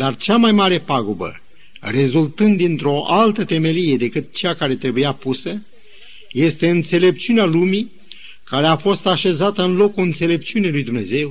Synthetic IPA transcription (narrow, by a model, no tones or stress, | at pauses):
d̪art͡ʃamajmaɾe̞paɡubə̰ | re̞zult̪ɨnd̪ːint̪ɾo̞ʔalt̪ət̪e̞me̞lije̞d̪e̞kɨt̪̚t͡ʃeakaɾe̞t̪ɾe̞bujapusə | je̞st̪e̞ɨnt̪se̞le̞p̚t͡ʃiunealumi | kaɾe̞afo̞st̪aʃe̞zat̪əɨnlo̞kuɨnt̪se̞le̞p̚t͡ʃiune̞lujd̪umne̞ze̞w